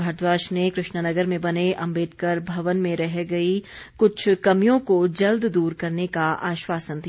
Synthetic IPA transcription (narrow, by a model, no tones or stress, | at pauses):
bʱaɾt̪ʋaːʃnekɾɪʃnənɐɡəɾmẽbɐneʔɐ̃mbɪːt̪kɐɾbʱɐʋənmẽɾɛɦɡɐikʊt͡ʃʰkɐmijõkod͡ʒɐld̪d̪uːɾkɐɾnekaʔaːʃwaːsənd̪i